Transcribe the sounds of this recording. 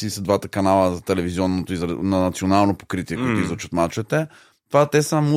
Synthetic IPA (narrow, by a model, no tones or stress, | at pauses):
isəd̪vat̪əkɐnalˠəzɐt̪ɛlɛviziɔnːot̪oizɾnɐnɐt̪sionalˠnopo̥kɾit̪iɛkoit̪ʊizɔt͡ʃət̪mat͡ʃɛt̪ɛ | t̪vat̪ɛsəmu